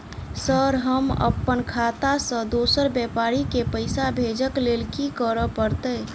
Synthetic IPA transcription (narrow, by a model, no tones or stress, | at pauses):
səɾɦəmə̰pːənkʰat̪asə̃d̪osəɾbjɛpaɾikepəɪsabʱed͡ʒəklelkikəɾəpəɾt̪ə